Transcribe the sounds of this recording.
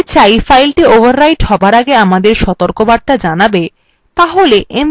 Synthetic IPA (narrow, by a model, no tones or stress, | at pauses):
t͡ɕajfajlʈiobʱaɾːajʈhɔbaɾaɡeamad̪eɾʃɔt̪oɾkobaɾt̪ad͡ʑanabe | t̪aɦoleʔem